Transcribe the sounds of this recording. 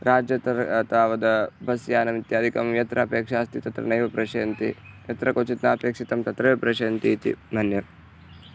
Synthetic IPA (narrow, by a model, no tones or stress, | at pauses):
ɾaːd͡ʒjɐt̪ɐɾt̪aːʋɐd̪ɐbʱɐsjaːnɐmit̪jaːd̪ʱikɐmjɐt̪ɾʔɐpeːkʂaːst̪it̪ɐt̪ɾɐ̰nɐjʋɐpɾɐʃɐːnt̪ḭjɐt̪ɾɐkot͡ʃit̪naːpeːkʂit̪ɐmt̪ɐt̪ɾɐʋepɾɐʃɐːnt̪iːt̪ḭmʱɐnjɐ